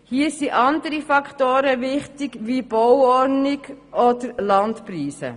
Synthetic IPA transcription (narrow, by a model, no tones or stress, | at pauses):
hiːəsiʔɑnd̪əɾifɑkʰtoːɾəʋɪχtɪɡʋib̥ɔwɔɾnɪɡ | ɔd̪əɾlɑntpriːsə̰